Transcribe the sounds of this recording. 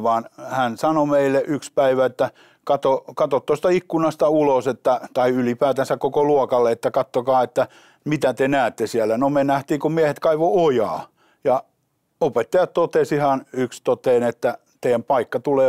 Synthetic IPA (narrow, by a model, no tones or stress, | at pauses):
ʋɑːnhænsɑnomeilːˑeʔykspæiʋæet̪ːæ | kɑt̪okɑt̪ot̪t̪ost̪ɑikːunɑst̪ɑuloset̪ːæt̪ɑiylipæːt̪ænsækkokoluɔkɑlːeet̪ːækɑt̪ːokɑːet̪ːæ | mit̪æt̪enæːt̪ːesiælːænomenæht̪iːkummiehet̪kɑiʋoojɑː | jɑ | opet̪ːɑjɑtt̪ot̪esihɑnykst̪ot̪eːnet̪ːæ | t̪eiæmpɑikːɑt̪uleː